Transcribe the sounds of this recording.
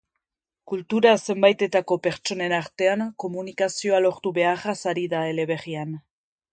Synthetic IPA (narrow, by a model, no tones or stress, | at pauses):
kult̪uɾase̞mbajt̪e̞t̪ako̞pe̞ɾt͡ʃo̞ne̞naɾt̪e̞aŋko̞munikasio̞alo̞ɾt̪uβe̞arasaɾiðae̞le̞βe̞ɣian